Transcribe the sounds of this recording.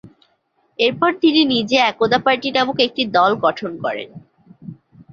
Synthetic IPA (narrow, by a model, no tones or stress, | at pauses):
eɾpɔɾt̪ininid͡ʑeɛkod̪apaɾʈiʈamukek̚ʈid̪ɔlɡɔʈʰonkɔɾḛn